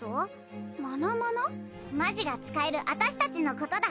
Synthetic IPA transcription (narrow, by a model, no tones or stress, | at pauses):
o | mo̞nomono | maʑiɡat͡sɨ̥kae̞ɾɯ̟ʔat̪aɕi̥t̪at͡ɕino̞ko̞t̪o̞d̪a